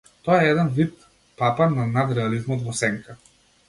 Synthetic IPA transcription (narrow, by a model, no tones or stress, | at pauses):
t̪ɔjaɛɛd̪ɛnvit̪ | papaɾnanad̪ɾɛalizmɔt̪vɔsɛŋkʰa